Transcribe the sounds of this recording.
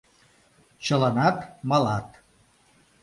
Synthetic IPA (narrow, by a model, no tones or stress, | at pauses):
t͡ɕə̆lənɑt̪mɑlɑt̪